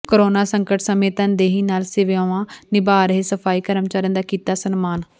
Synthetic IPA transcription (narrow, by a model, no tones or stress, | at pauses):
koɾoːnaːsəŋkəʈsəmẽːt̪ə̃nd̪eːɦiːnaːlsɪʋjãːʋãːnɪbaːɾəɦeːsəpʰaːiːkəɾəmt͡ʃaːɾə̃nd̪aːkiːt̪aːsənmaːn